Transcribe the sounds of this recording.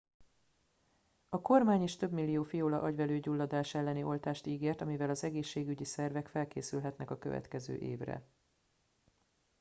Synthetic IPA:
ɒko̞rmaːɲeːʃt̪ø̞bmilːijoːfijoːlɒʔɒɟvɛløːɟulːɒd̪aːʃɛlːɛniʔo̞lt̪aːʃt̪iːɡeːrt̪ɒmivɛlɒzɛɡeːʃːeːɡyɟisɛrvɛkfɛlkḛːsylɦɛt̪nɛkɒkøvɛ̰t̪kɛzø̰ːʔeːvrɛ̰

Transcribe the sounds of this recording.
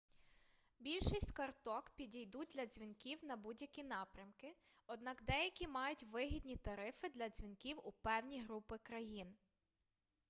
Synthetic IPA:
bʲilʲʃɪsʲskɐrt̪ɔkpʲidʲijd̪ut̚ʲd̪lʲɐzʲʋʲinkʲiwnɐbudʲjɐkʲinɑpɾʲɐmkɪ | ɔd̪nɑkd̪ɛjɐkʲimɑjʊtʲʋɪɦʲidʲnʲit̪ɐɾɪfɪd̪lʲɐzʲʋʲinkʲiwupɛwnʲijɦɾupɪkɾɐjin

